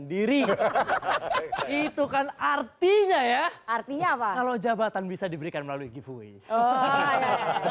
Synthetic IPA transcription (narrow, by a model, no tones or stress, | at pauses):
ndiɾi | it̪ukanart̪iɲajaart̪iɲaːpakalod͡ʒabat̪anbisadibəɾikanməlaluiɡifuḭ | a